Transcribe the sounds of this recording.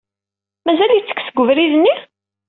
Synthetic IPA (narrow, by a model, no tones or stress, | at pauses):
mæzæljit͡sːə̥ksəɡʷːʊvɾiðənːi